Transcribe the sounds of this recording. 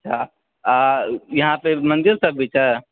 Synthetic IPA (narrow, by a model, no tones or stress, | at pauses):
tʃʰa | ajɐɦãpemə̃nd̪iɾsəbʱit͡ʃa